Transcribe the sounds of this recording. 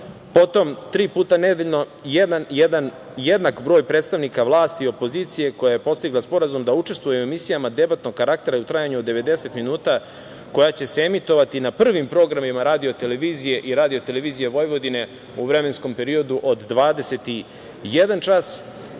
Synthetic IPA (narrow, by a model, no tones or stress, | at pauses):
po̞t̪o̞mt̪ɾiːpuːt̪aned̪eʎno̞jed̪anjed̪an | jed̪nakbɾo̞ːjpɾeːt̪st̪aʋnikaʋlˠaːst̪io̞po̞ziːt̪sije̞ko̞jaje̞po̞st̪iɡlˠaspo̞ɾazumd̪aut͡ʃe̞st̪vujeoemisijamad̪e̞bat̪no̞ɡkːaɾak̚t̪e̞ɾaut̪ɾajaɲuod̪e̞ʋe̞d̪e̞se̞t̪minuːt̪a | ko̞jat͡ɕe̞seemit̪o̞ʋat̪inapr̩ʋimpɾo̞ɡɾamimaɾaːd̪io̞t̪e̞leʋiːzije̞ʔiɾaːd̪io̞t̪e̞leʋiːzije̞ʋo̞jʋo̞d̪ine̞ | uʋɾe̞me̞nsko̞mpe̞ɾio̞d̪uʔo̞d̪ːʋaːd̪ese̞t̪i | jed̪ant͡ʃas